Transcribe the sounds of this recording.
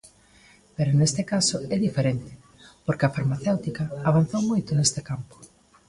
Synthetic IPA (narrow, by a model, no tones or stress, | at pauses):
peɾonest̪ɪkasoɛðifeɾent̪ɪ̥ | poɾkɪɐfaɾmaθewt̪ikɐaβan̟θowmojt̪ʊnest̪ɪkampo̥